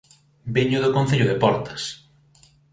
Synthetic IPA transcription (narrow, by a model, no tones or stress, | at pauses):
biɲʊðʊkõn̟θeʎʊðepɔɾt̪ɐ̥s